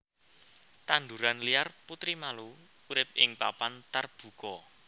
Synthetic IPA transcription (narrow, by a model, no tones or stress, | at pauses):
t̪and̪uɾanlijarput̪ɾimaluː | ɾɪp̚ɪŋpapant̪arb̥ṳkɔ